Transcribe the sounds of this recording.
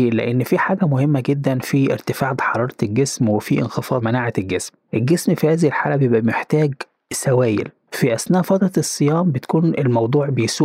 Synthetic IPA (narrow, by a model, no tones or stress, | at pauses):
lḛʔenːfiħaːɡæmohemːæɡed̪ːænfiʔḛɾt̪ɪfaːʕd̪ħɑɾˤɑːɾˤɑt̪elɡesmwefiʔḛnxefɑːɾˤmænaːʕet̪elɡesmʔelɡesmfihæːzihilħaːlæbejebʔæmeħt̪æːɡ | sæwæːjḛl | fiʔæsnæːʔfɑd̪ˤɾˤɑesˤːejɑːmbet̪æ̥kuːnelmɑwd̪ˤuːʕbejsuː